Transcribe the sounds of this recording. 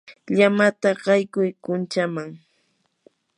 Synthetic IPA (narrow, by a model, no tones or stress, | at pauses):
ʎamat̪aɢɑjkʊjkʊnt͡ʃamaŋ